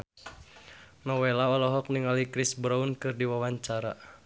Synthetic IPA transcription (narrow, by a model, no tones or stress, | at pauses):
nɔwelaɔlɔɦɔk̚niŋalikɾisbɾaunkɨrdiwawaɲt͡ʃaɾa̰